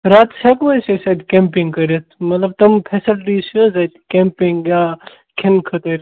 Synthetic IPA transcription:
ɾaːt̪sʰɐkʋɐsesɐd̪kẽmpiŋɡkɐɾɐt̪̚ʰmɐt̪lɐb̚t̪ɐmpʰesɐʈɖiːsozɐt̪kempiŋɡjaː | kʰinkʰɐt̪əɾʲ

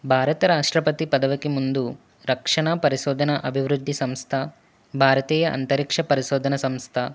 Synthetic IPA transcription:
bʱaːɾɐt̪ɐɾaːʂʈɾɐpɐt̪ipɐd̪ɐʋɐkemund̪u | ɾɐkʂɐɳaːpɐɾiʃoːd̪ʱɐnɐʔɐbʱiʋɾud̪ʱːisɐmst̪ʰɐ | bʱaːɾɐt̪iːjɐʔɐ̰nt̪ɐɾikʂɐpɐɾiʃoːd̪ʱɐnɐsɐmst̪ʰɐ

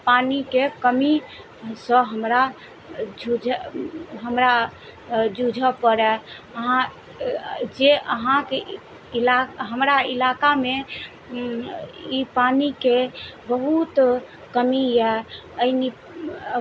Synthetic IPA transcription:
panikekəmi | sə̃ɦəmɾa | d͡ʒud͡ʒʱ | ɦəmɾa | d͡ʒud͡ʒʱəpəɾɛəɦã | d͡ʒeʔəɦãke | ilaɦəmɾailakame | ipanikebəɦut̪ | kəmiɛəini

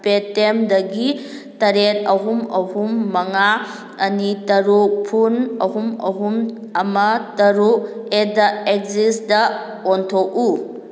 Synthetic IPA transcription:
petemdɐɡi | tɐɾet̚ɐɦumɐ̰humːɐŋa | ɐnitɐɾupʰunɐɦumɐ̰ɦum | ɐmɐtɐɾuedɐek̚zisdɐ | ontʰok̚u

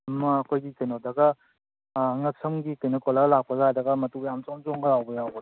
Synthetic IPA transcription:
ɐmɐːkʰojɡikɐjnodɐɡɐ | ŋɐk̚sɐmɡikɐjnokolɐɡɐlak̚pɐzajdɐɡɐmɐtujamt͡ʃomt͡ʃoŋɡɐɾawbɐjawbɐ

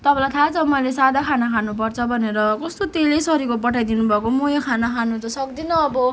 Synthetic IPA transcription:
t̪ʌbʌlajt̪ʰat͡sʌmʌjlesad̪akʰanakʰanup̬ʌrt͡sʰʌbʱʌneɾʌkʌst̪ot̪elejsʌɾikopʌʈʰajd̪inubʱʌkomojakʰanakʰanut͡sʌsʌkd̪inʌːbʌ

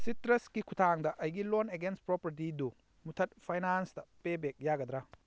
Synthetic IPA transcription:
sitɾɐskikʰutʰaŋdɐʔɐjɡiloneɡens̚pɾopɐɾt̬idu | mutʰɐt̚pʰajnanstɐpebek̚jaɡɐd̪ɾa

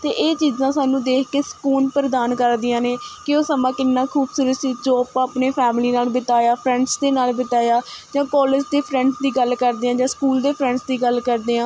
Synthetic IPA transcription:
t̪eːʔeːt͡ʃiːzãːsaːnũːd̪eːkʰkeːsə̥kuːnpəɾd̪aːnkəɾd̪ɪjãːneːkɪoːsəmãːkɪnːãːkʰuːbsʊɾəsid͡ʒoːəpãːəpneːpʰɛːmliːnaːlbɪt̪aːjaːpʰɾɛ̃ɳɖsd̪eːnaːlbət̪aːjaːd͡ʒãːkɔːled͡ʒd̪eːpʰɾɛ̃ːɳɖsd̪iːɡəlkəɾd̪eːãːd͡ʒãːskuːld̪eːpʰɾɛ̃ːɳɖsd̪iːɡəlkəɾd̪eːãː

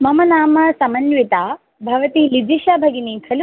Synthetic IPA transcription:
mɐmɐnaːmɐsɐmɐnʋit̪aː | bʱɐʋɐt̪ilid͡ʒiʃaːbʱɐɡiniːkʰɐlu

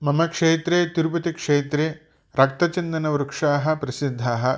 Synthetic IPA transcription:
mɐmɐkʂeːt̪ɾeːt̪iɾupɐt̪ikʂeːt̪ɾeː | ɾɐk̚t̪ɐt͡ʃɐnd̪ɐnɐʋɾukʂaːɦɐ̆pɾɐsid̪ʱːaːɦɐ̆

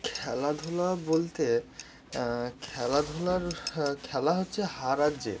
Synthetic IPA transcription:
kʰɛlad̪ʱolabolt̪e | kʰɛlad̪ʱolaɾkʰɛlaɦotːɕʰeɦaɾad͡ʑḛ

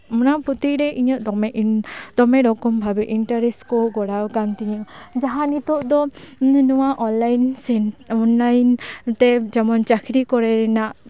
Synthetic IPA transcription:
mɔnapɔt̪iɾɛʔiɲɔʔ̪ɔmʔd̪ɔmɛɾɔkɔmbʱabɛʔiɳʈaɾesʈkɔɡɔɽawkant̪iɲəd͡ʒaɦanit̪ɔʔd̪ɔnɔwaʔɔnlajnsɛnɔnlajnt̪ɛd͡ʒɛmɔnt͡ʃakʰɾikɔɾɛɾɛnaʔ

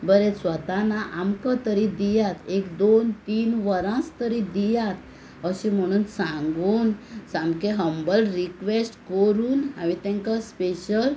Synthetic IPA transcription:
bəɾesʋət̪anaʔamkat̪əɾid̪ijat̪ʰekd̪ont̪iːnʋəɾãst̪əɾid̪ijat̪̚ | əɕĩm̤əɽ̃uːnsãŋɡuːnsamkeɦəmbəlɾikʋesʈkəɾuːna̰ʋit̪ɛ̃ŋkaspeɕəl

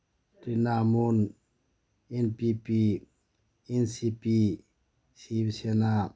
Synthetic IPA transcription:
tinamun | enpipi | ɛnsipi | sibsena

